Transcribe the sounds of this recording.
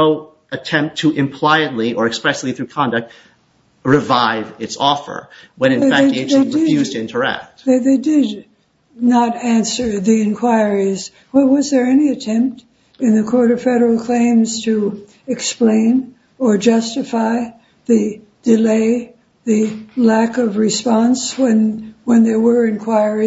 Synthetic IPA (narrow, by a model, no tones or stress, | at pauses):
oʊ | ʔɨtʰɛ̃mp̚tʰɨʔɪ̃mpʰl̥aɪɨdˡliʔə˞ɨkspɹɛsˡliθɹʉkʰɑ̃ndɨk̚t̚ | ɹɪvaɪvɪtsɔfə̰˞wə̃nɨ̃nfæk̚eɪðeɪjʉztʰɪ̃ntʰə˞ɛ̰k̚t̚ðeɪdɪdⁿ | nəɾæ̃nsə˞ðiɨ̃nkʰw̥aɪ˞iz̥ | wəwʌzðə˞ɛniɨtʰɛ̃mp̚t | ɨ̃nðɨkʰɔɹɾʌv̥fɛɾə˞l̩ˠkʰl̥ẽɪ̃mz̥tʰɨ | ɨksplẽɪ̃n | ə˞d͡ʒʌstɨfaɪ | ðɨ | d̥ɨleɪ | ðɨlækʌvɹɨspɑ̃nswɨ̃nwə̃nðə˞wə˞ɨ̃nkʰw̥aɪ˞i